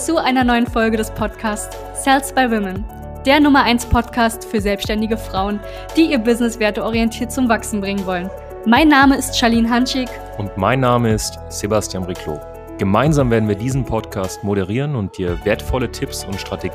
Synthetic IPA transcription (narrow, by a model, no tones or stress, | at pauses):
t͡suʔaɪnɐnɔʏənfɔlɡədɛspʰɔtkʰaːst͡sː | ɛlsb̥aɪwɪmən | d̥eːɐnʊmɐʔaɪnspʰɔtkʰaːstfyːɐzɛlpsʃtɛndɪɡəfʁ̥aʊən | d̥iːiːɐbɪznɪsv̥eːɐtəɔʁiɛntʰiːɐt̚t͡sʊmvaksn̩bʁɪŋənvɔlən | maɪnːaːməɪstʃaliːnɦanʃɪk | ʔʊntmaɪnːaːməɪst | z̥ebastjaːnʁikʰlo̰ː | ɡ̥əmaɪnzaːmveɐdn̩viːɐdiːzn̩pʰɔtkʰaːstmoɾəʁ̞iːʁənʊnt̚d̥iːɐveːɐtfɔlətʰɪpsʊntʃtʁ̥ateɡ